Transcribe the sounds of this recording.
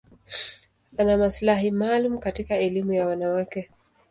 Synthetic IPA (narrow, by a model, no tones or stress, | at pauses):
anamaslaɦimaːlum̩katikaɛlimujawanawakɛ